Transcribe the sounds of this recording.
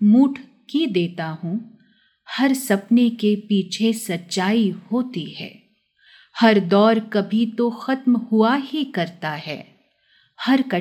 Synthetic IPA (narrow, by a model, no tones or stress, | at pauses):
muːʈʰ | kid̪eːt̪aɦũ | hɐɾsɐpnekepiːt͡ʃʰesɐtːʃaːihoːt̪iɦɛ̰ː | hɐɾd̪ɔːɾkɐbʱit̪oxɐt̪mhʊaɦikɐɾt̪aɦɛ̰ː | hɐɾkɐ